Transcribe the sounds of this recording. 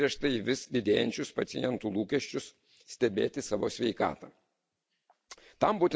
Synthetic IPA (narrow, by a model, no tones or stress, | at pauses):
iɛʃt̪ɐiʋʲɪsd̪ʲɪd̪ʲeːjɛnʲt͡ʃʲʊspɐt̪ʲɪjɛnt̪uːlˠuːkʲɛʃʲt͡ʃʲʊs | sʲt̪ʲɛbʲḛːt̪ʲɪsɑːʋo̰ːsʲʋʲɛɪkɑ̰ːt̪ɐː | t̪ɐmbuːt̪ʲɪ